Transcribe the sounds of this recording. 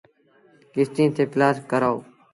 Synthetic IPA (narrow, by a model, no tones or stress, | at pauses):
kɪst̪ĩːt̪ʰeːpɪlaːskəɾaːo̰ː